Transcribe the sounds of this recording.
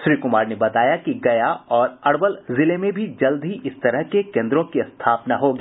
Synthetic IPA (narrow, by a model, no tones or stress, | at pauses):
ʃɾiːkʊmaːɾnebɐt̪aːjakiɡɐjaɔːɾɐɽwəlzɪlemẽbʱid͡ʒɐld̪ɦiʔɪst̪ɐɾəɦkekẽːnd̪ɾõkist̪ʰaːpnaɦoːɡiː